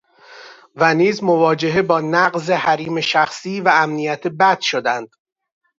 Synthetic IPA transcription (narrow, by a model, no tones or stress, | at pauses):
væniːzmovɒːd͡ʒe̞ɦe̞bɒːnæɢze̞hæɾiːme̞ʃæxsiːvæːmnijæt̪ʰebæd̪̥ʃod̪ænd̪̥